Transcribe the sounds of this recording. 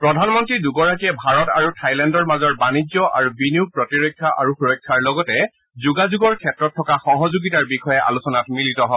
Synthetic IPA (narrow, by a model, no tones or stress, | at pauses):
pɹɔdʱanmɔntɹiduɡɔɹakiɛbʱaɹɔtaɹutʰajlɛndɔɹmazɔɹbanid͡ʒɔʔa̰ɹubiniupɹɔtiɹɔjkʰːjaʔaɹuxuɹɔjkʰːaɹlɔɡɔtɛ | zuɡazuɡɔɹkʰɛtɹɔtʰːɔkaxɔɦɔzuɡitaɹbixɔjɛʔa̰lusɔnatmilitɔɦɔ